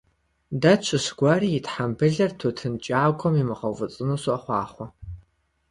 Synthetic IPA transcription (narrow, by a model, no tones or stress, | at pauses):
dat͡ʃʷʰɨɕɡ̥ʷɑːɾiːjɪtħambɨɮɐrtʰotʰɨnt͡ʃʼaːɡʷʰʼɔmimɨʁɐwvɨt͡sʼɨnuːɕʷʊʔɐχʷɑːχʷɔ